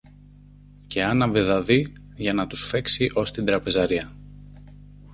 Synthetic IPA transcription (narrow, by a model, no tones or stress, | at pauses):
ce̞ɐnɐveðɐði | ʝɐnɐt̪u̥sfe̞ksiʔo̞st̪ind̪ɾɐpe̞zɐɾiɐ